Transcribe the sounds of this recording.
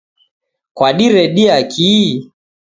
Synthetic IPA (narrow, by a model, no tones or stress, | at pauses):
kwaɗiɾɛɗiakʰi